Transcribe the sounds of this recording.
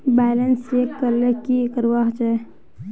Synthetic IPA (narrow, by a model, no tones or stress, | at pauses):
balənsekːəɾlekikəɾwaɦt͡ʃa